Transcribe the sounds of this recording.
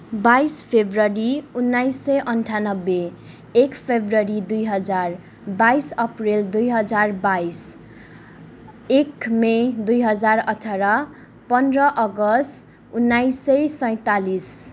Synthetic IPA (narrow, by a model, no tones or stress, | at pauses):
bajspʰebrʌɾiunːajsːʌjʔʌnʈʰanʌbːeː | kpʰebrʌɾid̪ujɦʌd͡zar | baisʌprild̪ujɦʌd͡zarbais | ekmed̪ujɦʌd͡zarʌʈʰaɾʌ | pʌnrʌʔʌɡʌst | unːajsʌjsʌj̃t̪alis